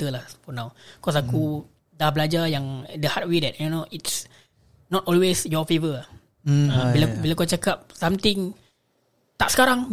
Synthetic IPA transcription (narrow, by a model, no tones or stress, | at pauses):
t̪əlahfɔnãwkɔs̬aku | dahbəlad͡ʒajaŋdəhat̚wedɛt̚aonoʔits | nɔtɔlwesjɔfevə | ãilabilakat͡ʃakap̚sãmt̪ɪŋ | t̪aʔsə̥kaɾaŋ